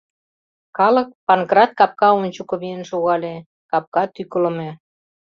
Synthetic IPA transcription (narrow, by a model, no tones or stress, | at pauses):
kɑlək̚pɑnɡrɑt̪̚kɑp̚kɑonʲt͡ɕukoβienʃoɣɑle | kɑp̚kɑt̪ykələ̆me